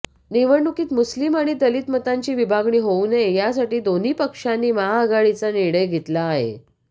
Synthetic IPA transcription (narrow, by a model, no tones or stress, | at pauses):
neʋəɽnukiːt̪muslimaɽ̃id̪əliːt̪mət̪aɲt͡ɕiːʋibʱaɡɳiːɦounejasaʈiːd̪on̤iːpəkʂanːiːməɦaəɡaɭit͡saniɽəjɡʱet̪laːɦḛ